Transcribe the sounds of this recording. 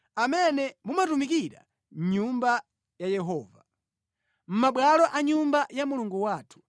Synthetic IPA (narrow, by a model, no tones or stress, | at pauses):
amɛnɛmumatumikiɾa̰ | ɲumba | jajɛɦɔːva | m̩maɓwalɔʔaɲumbajamuluŋɡuwaːtʰu̥